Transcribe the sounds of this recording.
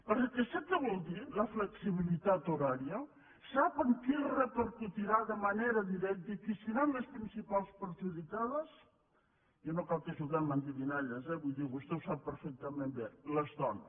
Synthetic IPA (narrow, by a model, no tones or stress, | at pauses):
pəɾkesɛk̪əβɔlˠd̪iləfləksiβ̞ilit̪at̪oɾaɾiə | sapəŋkirət̪əɾkut̪iɾaðəmaneɾəðiɾɛk̚t̪əikisinanləspɾinsipalˠspəɾʒuðikaðəs | jonokalˠkəʒulɣamənt̪iðinaʎəzɛβujðiβust̪ɛwsapːəɾfɛk̚t̪əmẽmbeləzðɔn